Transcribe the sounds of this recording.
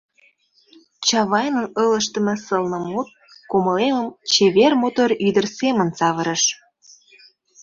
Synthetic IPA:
t͡ɕɑβɑjnənələʃt̪ə̆mĕsɤlnə̆mut̪̚ | koməleməmt͡ɕeβermot̪oɾyd̪ərsemənsɑβəɾə̆ʃ

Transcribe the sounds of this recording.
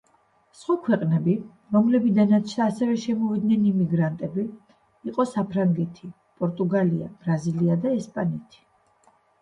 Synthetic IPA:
sχwakʰwɛqʼnɛbi | ɾɔmlɛbid̪anat̪t͡ʃʰd̪aːsɛvɛʃɛmɔvid̪nɛnimiɡɾant̪ʼɛbi | iqʼɔsapʰɾaŋɡɛt̪ʰi | pʼɔɾt̪ʼuɡaliab̥ɾaziliad̪aɛspʼanɛt̪ʰi̥

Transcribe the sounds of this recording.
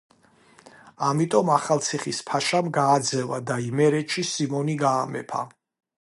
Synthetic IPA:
amit̪ʼɔmaχalt̪sʰiχispʰaʃamɡaːd̪zɛvad̪aimɛɾɛt͡ʃʰisimɔniɡaːmɛ̰pʰa̰

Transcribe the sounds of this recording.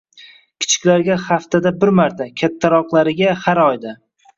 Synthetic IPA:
kʲʰɪ̥t͡ʃʰɪ̥kʲlaɾɡʲaχaft̪ʰad̪abɪɾmaɾt̪ʰakʲʰat̪ʰːaɾɒqlˠaɾɪɡʲahaɾɒjd̪a

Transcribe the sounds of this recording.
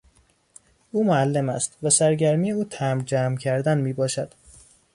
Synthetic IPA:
ʔuːmoælːemæ̰st̪væsæɾɟæɾmijeuːt̪ʰæmd͡ʒæːmcʰæɾd̪ænmiːbɒːʃæd̪̥

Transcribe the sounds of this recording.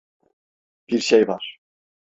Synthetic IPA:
b̥iɾʃejvaɾ̥

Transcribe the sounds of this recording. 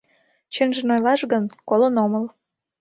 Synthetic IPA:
t͡ɕənʒĕnojlɑʃɡənkolonoməl

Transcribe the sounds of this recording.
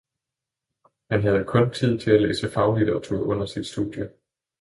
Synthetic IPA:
hænɦæð̞̩ˠkʰɔ̽nt͡sʰið̞̰ˠt͡sʰe̝lælḛːsəfɑ̈ʊlid̥ɐʁɐt͡sʰṵɐɔ̽n̰ɐsid̥sd̥ṵðˠjə

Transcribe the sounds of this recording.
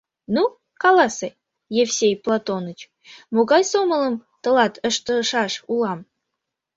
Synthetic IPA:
nu | kɑlɑse | jefsʲejplˠɑt̪onət͡ɕ | moɣɑjsomələ̆mt̪ə̆lɑt̪əʃt̪əʃɑʃulɑm

